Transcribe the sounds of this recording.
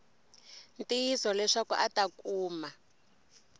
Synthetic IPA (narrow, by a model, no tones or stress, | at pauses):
ntiisɔlɛʂakṵʔatakuːma